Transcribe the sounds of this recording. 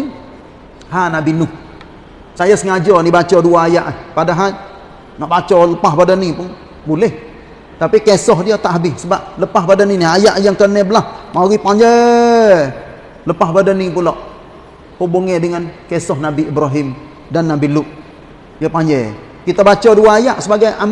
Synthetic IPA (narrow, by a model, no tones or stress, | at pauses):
hanabinʊh | sajasəŋad͡ʒɔnibat͡ʃɔduaːjaʔapadaɦal | naʔbat͡ʃɔləpaɦbadanːipʊn | bulɛh | t̪apikesɔɦdiat̪aʔɦabɪhsəbap̚ləpaɦbadanːiniajaʔjaŋkənɛbəlahmaɣipaɲd͡ʒɛ | ləpaɦbadanipulɔʔ | hubuŋɛdəŋankesɔhnabiibɾaɦɪm | danːabilʊʔ | jəpaɲd͡ʒɛ | kit̪abat͡ʃɔduaːjaʔsəbaɡajam